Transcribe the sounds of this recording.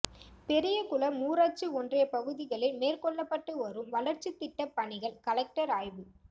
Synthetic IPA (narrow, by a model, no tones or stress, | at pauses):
pɛɾɪjɐkʊlɐmuːɾaːt͡ʃɯɔndrɐjɐpɐɣɯðɪɣɐɭɐmeːrkɔɭːɐpːɐʈːɯɔɾɯmʋɐɭɐɾt͡ʃit̪ːɪʈːɐpːɐɳɪɣɐɭkɐlɐk̚ʈɐɾaːjʋɯ